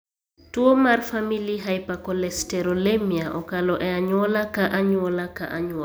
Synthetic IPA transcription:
tuɔmaɾfamiliɦajpakɔlɛstɛɾɔlemiaʔɔkalɔʔɛaɲɔlakaʔaɲuɔlaka̰ʔaɲuɔ

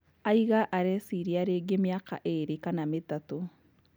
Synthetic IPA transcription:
aiɣaʔaɾɛsiɾiaɾeɡemjaka̰ʔeɾikanametato

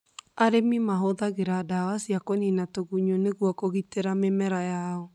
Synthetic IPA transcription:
aɾemimaɦoðaɣeɾadawasjakoninatoɣuɲoneɣwɔkoɣiteɾamemɛɾajaɔ

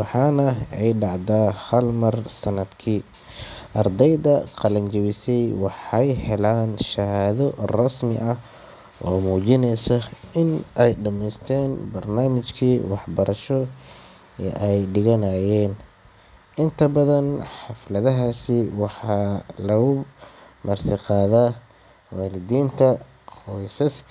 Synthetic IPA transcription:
wɑħɑːnɐɛjɖɑʕd̪ahɐlmɐrsɐnɐd̪kʰiː | ʔɐrd̪ɛjðɐqɑlɐnt͡ʃɐwɪsɛjwɑħɑjhɛlaːnʃɐhaːðɔrɐsmɪ̰ʔɐh | ɔ̰ːmuːt͡ʃɪnɛjsɐɪnʔɛjɖɐmɛst̪ʰɛːnbɐrnaːmɪt͡ʃkʰiːwɑħbɐɾʔɐʃɔ | ɛ̰ʔɛjɖɪɣɐnaːjɛːn | ʔɪnt̪ʰɐbɐðɐnħɑflɐðɐɦaːsɪwɑħɑːlɐɣʊmɐrt̪ʰɪqɑːðaː | waːlɪðiːnt̪ʰɐ | qɔjsɐs

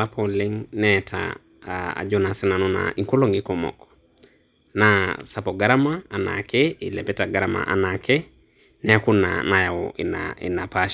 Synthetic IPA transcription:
apʰoliŋnɛtʰa̰ | a̰d͡ʒonasɛnanona̰ikoloŋikomɔ̰kɔ̥ | nasapoɡaɾamaːna̰keilɛpɛtaɡaɾama̰ʔa̰nake | nɛakuna̰najaɔ̰inaḭnapaʃ

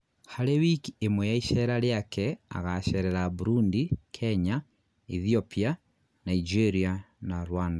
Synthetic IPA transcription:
haɾewikiemwɛjaiʃɛɾaɾeakʰɛa̰ɣaʃɛɾɛɾaβuɾundikʰɛɲa | iðiɔpia | naid͡ʒeɾianaɾwanda

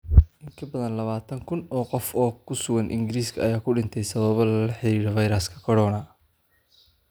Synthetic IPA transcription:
ʔɪŋkʰɐbɐðɐnlɐβaːt̪ʰɐŋkʰʊnɔːqɔfɔːkʰʊsʊɣɐnʔɪ̰ŋɡɪɾiːskʰɐɐjaːkʰʊɖɪnt̪ʰɛjsɐβɐβɐħɪiːɽɐvɐjɾɐskʰɐ̥kʰɔɽɔːnɐ

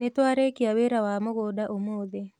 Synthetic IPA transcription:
net̪waɾekiaweɾawamoɡodaʔomod̪e

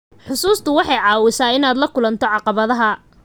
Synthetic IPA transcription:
ħʊsuːst̪ʰʊwɑħɑjʕɑːwɪsaːɪnaːd̪lɐkʰʊlɐnt̪ʰɔʕɑqɑβɐðɐɦɐ

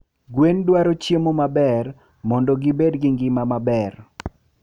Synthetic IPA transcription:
ɡwendwaɾot͡ʃjemomabɛr | mɔndɔɡibedɡɪŋɡɪmamabɛr

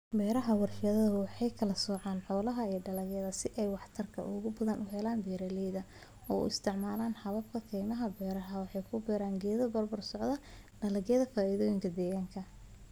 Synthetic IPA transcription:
bɛːɾɐɦɐwɑrħɪjɐðɐðɐwɑħɑjkʰɐlɐsɔːʕɑːnħɔːlɐɦɐiːɖɐlɐɣjɛðɐsɪʔɛjwɑħt̪ʰɐrkʰɐ̰ʔʊɣʊbɐðɐnʔʊɦɛlaːnbɛːɾɐlɛjðɐ | ɔ̰ːṵɪst̪ʰɪʕmaːlaːnħɑβɐbkʰɐkʰɛjmɐɦɐbɛːɾɐɦɐwɑħɑjkʰʊbɛːɾaːŋɡɛːðɐbɐrbɔrsɔʕðɐ | ɖɐlɐɣjɐðɐfaːʔiðɔːjɪŋkʰɐd̪ɛːɣaːŋkʰɐ

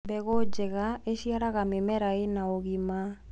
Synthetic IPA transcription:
bɛɡod͡ʒɛɡaesiaɾakamemɛɾaenaoɡima

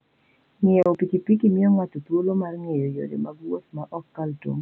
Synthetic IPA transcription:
ŋɪɔopikipikimiɔŋatot̪wolomarŋejojo̰ɾḛmaɡwot̪maʔɔkːalto̰ŋ

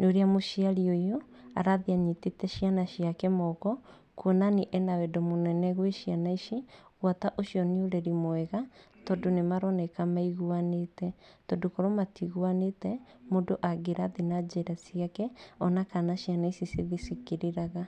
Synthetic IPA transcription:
noɾeamoʃiaɾiojo | a̰ɾaðiaɲitetɛʃijanaʃiakɛmɔɣɔ | kuɔnaniʔɛnawɛdɔmonɛnɛɣweʃianaiʃiɣwataʔoʃiɔneoɾɛɾimoɛɣatɔdonemaɾɔnɛkamaiɣuanetɛtɔdokɔɾɔmatiɣwanetɛ | mondoʔaɡeɾaðinad͡ʒeɾasjakɛɔnakanaʃianaisiseðisikiɾeɾaɣa

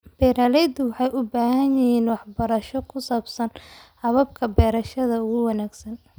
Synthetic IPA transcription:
b̥ɛːɾaːlɛjd̪ʊwɑħɑjʔʊbaːhɐnjɪɦiːnwɑħbɐɾɐʃɔkʰʊsaːbsɐnhɐβɐb̚kʰɐbɛːɾɐʃɐðɐʊɣʊwɑnaːɡsɐn

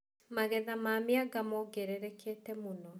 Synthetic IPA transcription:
maɣɛðamaːmeaɡamɔɡeɾeɾɛkʰeːtɛmonɔ

